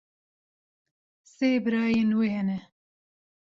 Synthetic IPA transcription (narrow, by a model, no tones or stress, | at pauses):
seːbɨɾaːjenwehɛnɛ